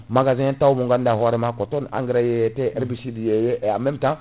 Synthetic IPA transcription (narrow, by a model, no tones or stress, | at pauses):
maɡazĩtaumuŋɡandahwaɾimakotona̰ŋɡɾajejeteeɾbisidijejeʔeamemtã